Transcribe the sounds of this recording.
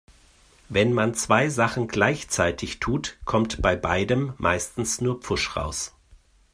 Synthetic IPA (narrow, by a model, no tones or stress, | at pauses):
vɛnmant͡sv̥aɪzaχn̩ɡlaɪçt͡saɪtʰɪçtʰuːtkʰɔmtb̥aɪbaɪdəmːa̰ɪstn̩snuːɐp͡fʊʃʁa̰ʊs